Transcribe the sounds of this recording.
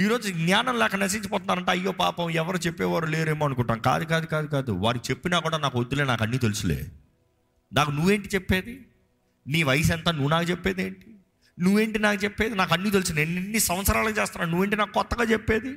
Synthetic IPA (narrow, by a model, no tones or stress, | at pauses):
iːɾo̞ːd͡ʒuɡnaːnɐmlɛːkɐnɐs̬iɲt͡ʃɐp̬ɔːt̪unːaːɾɐɳʈeɐjːo̞ːpaːpɐmɛʋɐɾut͡ʃepːɛːʋaːɾuleːɾeːmoːɐnukuɳʈaːmka̰ːd̪ukaːd̪ukaːd̪ukaːd̪ṵʋa̰ːɾit͡ʃe̞pːinaːkuːɽaːnaːkuod̪ːuleːnaːkɐnːit̪elusulḛː | naːkunuʋe̞ːɳʈit͡ʃepːe̞ːd̪i | niːʋɐjsɛnt̪aːnuʋːnaːkut͡ʃepːeːd̪eːɳʈi̥ | nuʋːe̞ːɳʈinaːkut͡ʃepːeːd̪inaːkɐnːiːt̪̬elusueninːisɐmʋɐt̪sɐɾaːlɐkut͡ʃeːst̪anːaːnuʋːe̞ːɳʈ̬inaːkukɔt̪ːɐɡaːt͡ʃepːe̞ːd̪i